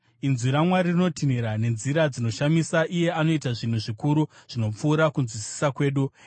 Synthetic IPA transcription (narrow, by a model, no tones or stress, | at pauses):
inziɾamwaririno̞tiniɾane̞nziɾad͡zino̞ʃamisaʔije̞ano̞itaʐin̤uʐikuɾuʐ̥ino̞p͡fuːɾakunzwisi̥sakwe̞ːɗu